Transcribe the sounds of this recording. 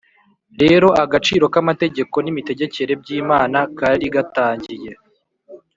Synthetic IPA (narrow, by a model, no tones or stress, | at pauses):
ɾe̞ːɾo̞ʔaɡat͡ʃiːɾo̞kamate̞ɟe̞ko̞nimite̞ɟe̞ce̞ɾe̞b̚ɟiːmaːnakaːdiɡataːɲɟije̞